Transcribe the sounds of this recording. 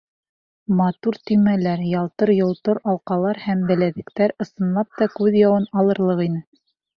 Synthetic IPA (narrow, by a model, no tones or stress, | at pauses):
mɑt̪uɾt̪ɵ̆jmælæɾjɑlˠt̪ɤɾjŏlˠt̪ɤɾɑlˠqɑlˠɑɾhæmbæ̆læðɘ̆kt̪æɾɤ̆sɤ̆nlˠɑp̚t̪ɑkʉðjɑwɤnɑlˠɤ̆ɾlˠɤqinɘ